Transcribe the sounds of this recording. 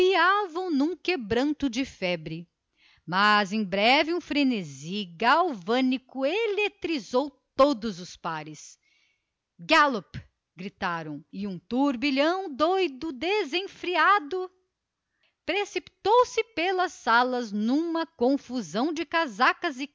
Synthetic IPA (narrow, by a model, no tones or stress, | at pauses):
iavɐ̃w̃nũkebɾɐ̃nt̪ʊd͡ʒɪfɛbɾɪ | mɐzẽj̃bɾɛvɪũfɾeneziɡawvɐ̃nikʊelet̪ɾizowt̪od̪ʊzʊspaɾɪs | ɡalop | ɡɾit̪aɾɐ̃w̃ɪũt̪uɾbiʎɐ̃w̃d̪ojd̪ʊd̪ezẽfɾiad̪ʊ | pɾesipi̥t̪owsɪpelɐsːalɐznũmɐkõfuzɐ̃w̃d͡ʒɪkazakɐzɪ